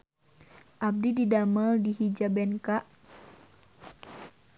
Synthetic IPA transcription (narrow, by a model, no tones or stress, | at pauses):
ʔab̚dididaməldihid͡ʒabɛnkaʔ